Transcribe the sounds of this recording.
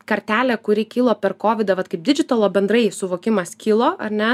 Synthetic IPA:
kɐɾʲt̪ʲæːlʲɛkʊɾʲɪkʲiːlˠoːpʲɛrkoːʋʲɪd̪ɐʋɐt̪kɐɪp̚d̪ʲɪd͡ʒʲɪt̪ɐlˠoːbʲɛnd̪ɾɐɪsʊʋoːkʲɪmɐskʲiːlˠoːɐrʲnʲɛ

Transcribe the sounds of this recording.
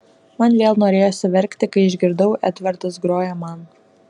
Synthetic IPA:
mɐnʋʲeːlˠnoːɾʲeːjoːsʲɪʋʲɛɾʲkʲt̪ʲɪkɐɪɪʒʲɡʲɪɾd̪ɐʊʔæːt̪ʲʋʲɛɾt̪ɐsɡɾoːjɛmɐn

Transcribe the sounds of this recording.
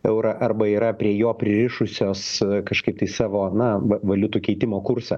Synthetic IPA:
ɛʊɾɐʔɐrbɐiːɾɐpʲɾʲiɛjoːpʲɾʲɪɾʲɪʃʊsʲoːskɐʃkɐɪp̚t̪ɐɪsɑːʋoːnɐʋɐʋɐlʲʊt̪uːkʲɛɪt̪ʲɪmoːkʊɾsɐ

